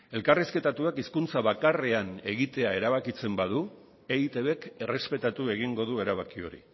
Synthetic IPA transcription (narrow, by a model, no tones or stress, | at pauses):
e̞lkariske̞t̪at̪uakiskunt͡saβakare̞ane̞ɣit̪e̞ae̞ɾaβ̞akit͡se̞mbað̞u | eit̪e̞βe̞ke̞re̞spe̞t̪at̪ue̞ɣ̞iŋɡo̞ð̞ue̞ɾaβakio̞̰ɾḭ